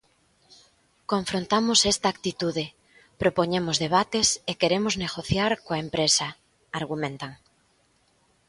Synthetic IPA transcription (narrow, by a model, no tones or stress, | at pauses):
kõɱfɾõnt̪amʊsɛst̪aːkt̪it̪uðɪ | pɾopoɲemʊzðeβat̪esekeɾemʊzneɣoθjaɾkoɐempɾesɐ | aɾɣ̞umẽnt̪aŋ